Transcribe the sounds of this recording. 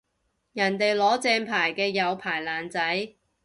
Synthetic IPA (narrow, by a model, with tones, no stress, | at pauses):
jɐ˨˩nt̪e˨jlɔː˨˥t͡sɛː˧npʰaː˨˩jkɛː˧jɐ˨˧wpʰaː˨˩jlaː˨˩nt͡sɐ˨˥j